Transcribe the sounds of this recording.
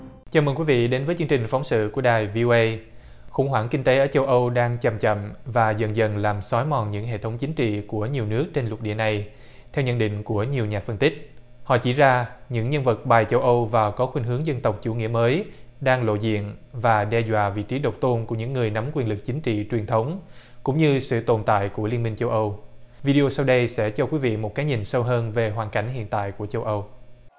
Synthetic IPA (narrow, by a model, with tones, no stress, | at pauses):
t͡ɕaː˨˩məː˨˩ŋkwi˨˦vḭ˧˨ɗe˨˦nvəː˨˦jt͡ɕɨ˧əŋt͡ɕï˨˩ŋ̟fa˨˦wŋ͡msɨ̰˧˨ku˧˩əɗaː˨˩jvi˧ʔo˧ʔə˧j | xʊ̰˧˩ŋ͡mɦwaː˧˩ŋki˧ŋ̟t̪e˨˦ʔəː˧˩t͡ɕə˧wʔə˧wɗaː˧ŋt͡ɕə˨˩mt͡ɕə̰˧˨mvaː˨˩zə̰˧˨nzə̰˧˩nlaː˨˩msɔ˨˦jmɔ˨˩nɲɨ̰˧˥ŋɦḛ˧˨t̪ʰə˨˦wŋ͡mt͡ɕï˨˦ŋ̟t͡ɕḭ˧˨ku˧˩əɲi˨˩əwnɨ˦˥ək̚t͡ɕe˧nlwə˨˩t̚ɗḭ˧˩əna˨˩j | t̪ʰɛ˧wɲə̰˧˨nɗḭ̈˧˨ŋ̟ku˧˩əɲi˨˩əwɲaː˨˩fə˧nt̪ï˦˥k̟̚ | hɔ̰˧˨t͡ɕi˧˩zaː˧ɲɨ̰˧˥ŋɲə˧nvə˨˩t̚ɓaː˨˩jt͡ɕə˧wʔə˧wvaː˨˩wkɔ˨˦xwi˧nɦɨ˨˦əŋzə˧nt̪ə˨˩wk͡p̚t͡ɕu˧˩ŋḭ˧˥əməː˨˦jɗaː˧ŋlo̰˧˨zḭ˧˨ənvaː˨˩ɗɛ˧zwa̰ː˧˨vḭ˧˨t͡ɕi˨˦ɗə˨˩wk͡p̚t̪o˧nku˧˩əɲɨ̰˧˥ŋːɨ˨˩əjna˨˦mkwi˧ənlɨ˨˩k̚t͡ɕï˨˦ŋ̟t͡ɕḭ˧˨t͡ɕwi˨˩ənt̪ʰə˨˦wŋ͡m | kʊ̰˧˥ŋ͡mɲɨ˧sɨ̰˧˨t̪o˨˩nt̪a̰ː˧˨jku˧˩əli˧ənmï˧ŋ̟t͡ɕə˧wʔə˧wvi˧ɗi˧o˧sa˧wɗə˧jsɛ̰˧˥t͡ɕɔ˧kwi˨˦vḭ˧˨mo˨˩t̚kaː˨˦jɲi˨˩nsə˧wɦəː˧nve˨˩ɦwaː˨˩nka˧˩jŋ̟hḭ˧˨ənt̪a̰ː˧˨jku˧˩ət͡ɕə˧wʔə˧w